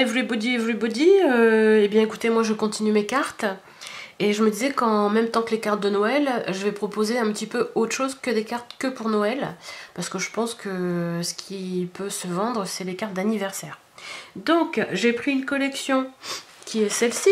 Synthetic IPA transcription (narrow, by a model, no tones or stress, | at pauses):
evulebod̪ievulebod̪iøebjɛ̃eku̥t̪emwaʒəkɔ̃t̪inymekaʁt̪ | eʒəməd̪izɛkɑ̃mɛ̃mt̪ɑ̃kəlekaʁt̪̚d̪ənɔɛlʒəvɛpχɔpozeɛ̃pət̪ipøot̪χə̥ʃozkəd̪ekaʁt̪kəpuʁnɔɛlpaʁsə̥kəʒəpɑ̃skəsə̥kʲʰipʰøsəvɑ̃d̪ʁəsɛlekaʁt̪̚d̪anivɛʁsɛːʁ | d̪ɔ̃kʒepχiynkɔlɛksjɔ̃ | kʲiɛsɛlsi